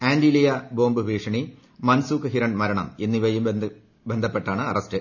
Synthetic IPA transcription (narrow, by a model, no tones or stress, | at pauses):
aːndilijɐbo̞ːmbɨʋʱiːʂɐɳi | mɐnsuːkɨɦiɾɐɳmɐɾɐɳɐ̰menːiʋɐjum | be̞nd̪ʱɐpːe̞ʈːaːɳɨɐrɐstɨ